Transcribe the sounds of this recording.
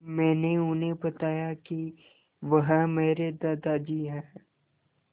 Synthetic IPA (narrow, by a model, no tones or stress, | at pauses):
mɛ̃ːneʊnẽbɐt̪aːjaki | ʋɐɦmeːɾed̪aːd̪aːd͡ʒiɦɛː